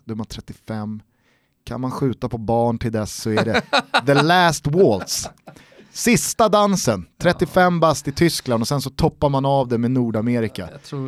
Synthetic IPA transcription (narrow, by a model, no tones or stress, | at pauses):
d̪ɵmant̪ʰɾɛt̪ːɪfɛmː | kʰa̰nmanɧʉ̟ːt̪apʰɔbɑːɳʈʰɪld̪ɛsːɔæɖɛðəlæst̪wɔːlt̪s | sɪst̪ad̪ansənt̪ʰɾɛt̪ːɪfɛmːbast̪ɪt̪ʰʏskland̪ɔsɛnsɔt̪ʰɔpːaɾmanavd̪ɛmɛnuːɖameːɾɪka̰